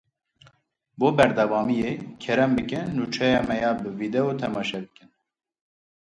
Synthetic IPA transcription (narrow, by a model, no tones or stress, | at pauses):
boːbɛɾd̪ɑvɑːmijekʰɛɾɛmbɨkɨnːuːt͡ʃʰɛjɑːmɛjɑːbɨvid̪ɛot̪ʰɛmɑːʃɛbɨkɨn